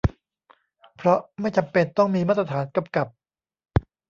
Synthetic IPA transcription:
pʰɾɔ˦˥ma˥˩jt͡ɕa˧mpe˧nt̪ɔ˥˩ŋmiː˧maː˥˩t̪ɾa˧t̪ʰaː˩˦nka˧mka˨˩p̚

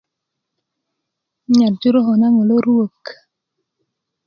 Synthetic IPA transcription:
ɲa˨ɾd͡ʒu˦ɾo˦ɦɔ˨na˦ŋo˨lo˦ɾwo˨k

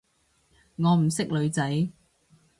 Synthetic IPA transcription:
ŋɔː˨˧m̩˨˩sɪ˥k̚lɵ˨˧ɥt͡sɐ˨˥j

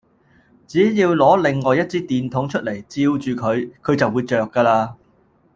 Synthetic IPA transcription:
t͡siː˨˥jiː˧wlɔː˨˥lɪ˨˩ŋːɔː˨˧jɐ˥t̚t͡siː˥t̪iː˨nt̪ʰʊ˨˥ŋt͡ʃʰɵ˥t̚le˨˩jt͡siː˧wt͡ʃyː˨kʰɵ˨˧ɥkʰɵ˨˧ɥt͡sɐ˨wːuː˨˧jt͡ʃœː˨kːaː˧laː˧

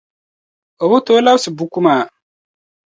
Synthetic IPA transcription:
o˨bu˦to˦la˦bsɨ˨bu˦ku˦maː˨

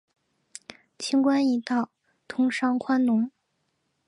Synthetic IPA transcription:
t͡ɕʰi˥ŋkwa˥ni˧˥t̪ɑ˥˩ʊ | t̪ʰʊ˥ŋʂɑ˥ŋkʰwa˥nnʊ˧˥ŋ

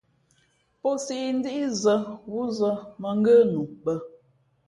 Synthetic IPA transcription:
po˦si˦˨n̩˦di˦i˦zə˦wu˦zə˦mə˨ŋ̩˦ɡə˦nu˨ɓə˦

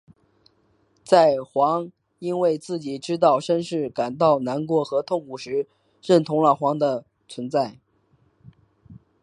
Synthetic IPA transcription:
t͡sa˥˩ɪxwɑ˧˥ŋ | i˥nwe˥˧ɪt͡sɹ̩˥˩t͡ɕi˨˩ʈ͡ʂɻ̩˥t̪̬ɑ˥˩ʊʂə˥nʂɻ̩˥˩ka˨˩nt̪ɑ˥˩ʊna˧˥nkwɔ˧˥xɤ˧˥t̪ʰʊ˥˩ŋkʰu˨˩ʂɻ̩˧˥ | ɻə˥˩nt̪ʰʊ˧˥ŋlə˨˩xwɑ˧˥ŋd̪ə˧ | t͡sʰwə˧˥nt͡sa˥˩ɪ

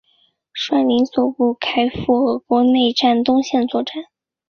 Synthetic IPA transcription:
ʂwa˥˩li˧˥nswɔ˨˩pu˥˩kʰa˥ɪfu˥˩xɤ˧˥kwɔ˧˥ne˥˧ɪʈ͡ʂa˥˩nt̪ʊ˥ŋɕjɛ˥˧nt͡swɔ˥˧ʈ͡ʂa˥˩n

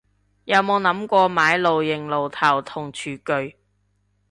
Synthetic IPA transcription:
jɐ˨˧wmo˨˧wnɐ˨˥mkʷɔː˧maː˨˧˥jlo˨wjɪ˨˩ŋlo˨˩wt̪ʰɐ˨˩wt̪ʰʊ˨˩ŋt͡ʃʰyː˨˩kɵ˨˧ɥ

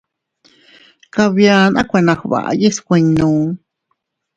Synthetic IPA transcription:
kaβjanʔa˦kʷe˧nã˧xβa̰˨ʔa̰˧je˦skʷe˧ɲnũ˧

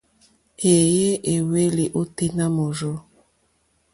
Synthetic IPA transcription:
e˨je˦ʔe˨we˦li˨ʔo˦te˦na˦mo˨zo˦

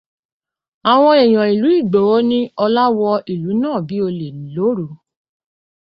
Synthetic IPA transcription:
a˨w̃ɔ̃˦e˨j̃ɔ̃˨i˨lu˨˦i˦˨ɡ͡bo˨wo˦nĩ˦ɔ˧la˦wɔ˧i˨lu˨˦nãː˦˨bi˨˦o˧le˨lo˨˦ɾo˨

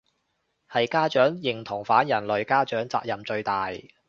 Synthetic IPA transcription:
hɐ˨jkaː˥t͡ʃœː˨˥ŋjɪ˨˩ŋt̪ʰʊ˨˩ŋfaː˨˥njɐ˨˩nlɵ˨ɥkaː˥t͡ʃœː˨˥ŋt͡sa̰ː˧k̚jɐ˨mt͡ʃɵ˧ɥt̪aː˨j

